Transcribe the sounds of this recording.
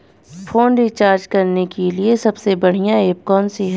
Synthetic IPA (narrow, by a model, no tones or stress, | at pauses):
fʰoːnɖit͡ʃaːɾd͡ʒkɐɾnekeliesɐbsebɐɽ̤ijãeːp̚kɔːnsiɦ